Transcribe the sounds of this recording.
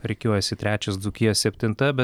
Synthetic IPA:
ɾʲɛɪkʲoːjɛsʲɪt̪ʲɾʲæːt͡ʃʲɛsd̪ʊkʲiɛssʲɛpʲt̪ʲɪnt̪ɐbʲɛ

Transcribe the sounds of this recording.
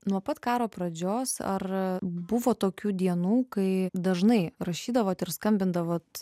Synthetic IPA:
nuɔpɐt̪kɑːɾoːpɾɐd͡ʒʲoːsɐ̰rbʊʋoːt̪oːkʲuːd̪ʲiɛnuːkɐɪd̪ɐʒnɐɪɾɐʃʲiːd̪ɐʋoːt̪ɪɾskɐmʲbʲɪnd̪ɐʋoːt̪

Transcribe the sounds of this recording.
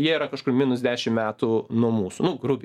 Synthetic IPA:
jiɛiɾɐkɐʃkʊrmʲiːnʊsd̪ʲæːʃʲɪmmʲæːt̪unuɔmuːsʊnʊɡɾʊbʲ

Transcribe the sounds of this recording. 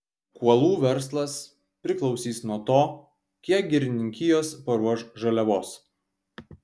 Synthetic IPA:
kuɔlˠuːʋʲɛɾslˠɐs | pʲɾʲɪklˠɒʊsʲiːsnuɔt̪oː | kʲiɛk̚ɡʲɪɾʲɪnʲɪŋʲkʲɪjoːspɐɾuɔʃʒɐlʲɛʋoːs

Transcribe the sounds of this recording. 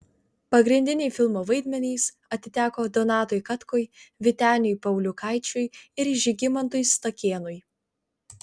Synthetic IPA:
pɐɡɾʲɪnʲd̪ʲɪnʲɛɪfʲɪlˠmoːʋɐɪd̪ʲmʲɛnʲiːs | ɐt̪ʲɪt̪ʲæːkoːd̪ɔnɑːt̪ojkɐt̪koːjʋʲɪt̪ʲæːnʲʊjpɐʊlʲʊkɑɪt͡ʃʲʊjɪɾʒʲɪɡʲɪmɐnt̪ʊjst̪ɐkʲeːnʊj

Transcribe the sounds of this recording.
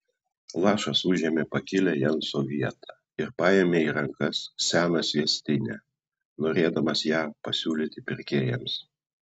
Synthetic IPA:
lˠɑːʃɐsʊʒʲiɛmʲeːpɐkʲɪlʲɛjɛnsoʋʲiɛt̪ʰɑ | ɪɾpɑːjɛmʲeːiːɾɐŋkɐsːʲæːnɐsʲʋʲiɛsʲt̪ʲɪnʲæ̰ː | noːɾʲeːd̪ɐmɐsjæːpɐsʲuːlʲɪt̪ʲɪpʲɪɾʲkʲeːjɛms

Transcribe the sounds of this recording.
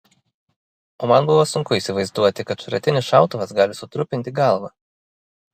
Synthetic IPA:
oːmɐnbʊʋosʊŋkʊiːˑsʲɪʋɐɪzd̪uɔt̪ʲɪkɐt̪ʃɾʲɐt̪ʲɪnʲɪsʃɑˑʊt̪ʊʋɐsɡɑːlʲɪsʊt̪ɾʊpʲɪnʲt̪ʲɪɡɑlˠʋɑ

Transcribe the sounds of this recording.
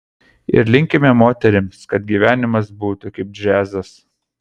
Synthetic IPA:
ɪ̰ɾlʲɪŋʲkʲɪmʲɛmoːt̪ʲɛɾʲɪmskɐt̪ɡʲiːʋʲæːnʲɪmɐs̬buːt̪ʊkɐɪp̚d͡ʒʲæːzɐs

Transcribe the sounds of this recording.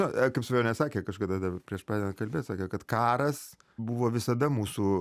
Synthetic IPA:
nokɐɪpsɐʋʲjɛʊnʲɛsɑːkʲeːkɐʃkɐd̪ɐd̪ɐbpʲɾʲiɛʃpɑːd̪ʲeːnɐnkɐlʲbeːt̪sɑːkʲɛkɐt̪kɑːɾɐs | buʋoːʋʲɪsɐd̪ɐmuːsu

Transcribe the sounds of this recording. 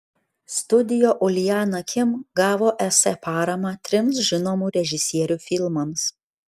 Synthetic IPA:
st̪ʊd̪ʲɪjoːʔʊlʲɪjɑːnɐkʲɪmɡɑːʋoːʔɛsɛpɑːɾɐmɑːt̪ʲɾʲɪmsʒʲɪnoːmuːɾʲɛʒʲɪsʲiɛɾʲuːfʲɪlˠmɐms

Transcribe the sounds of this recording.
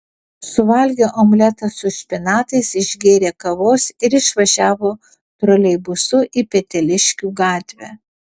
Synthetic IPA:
sʊʋɐlʲɡʲoːʔoːmɡlʲɛt̪ɐsʊʃʲpʲɪnɑːt̪ɐɪsɪʒʲɡʲeːɾʲeːkɐʋoːsɪɾɪʃʋɐʒʲæːʋoː | t̪ɾoːlʲɛɪbʊsʊʔipʲɛt̪ʲɛlʲɪʃʲkʲuːɡɑːt̪ʲʋʲæ̰

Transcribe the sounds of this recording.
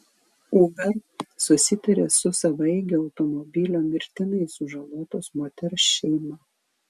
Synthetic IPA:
uːɡɐsʊsʲɪt̪ɐɾʲḛːsʊsɐʋɐɪɡʲɛɒʊt̪ɔmɔbʲilʲomʲɪɾʲt̪ʲɪnɐɪsʊʒɐlˠoːt̪oːsmoːt̪ʲɛɾʃʲɛɪmɐ

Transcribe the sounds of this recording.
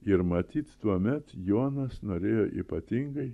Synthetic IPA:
ɪɾmɐt̪ʲiːt̪t̪uɔmʲɛt̪joːnɐsnoːɾʲeːjoːʔḭːpɐt̪ʲɪŋɡɐɪ

